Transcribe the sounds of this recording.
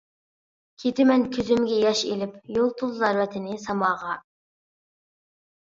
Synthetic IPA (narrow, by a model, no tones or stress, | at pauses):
kʲʰet̪ʰɪmɛnkʲʰyzymɡʲɛjɑʃelɪpjolˠt̪ʰʊzzɑɾwɛt̪ʰɪnɪsɑmɑːʁɑ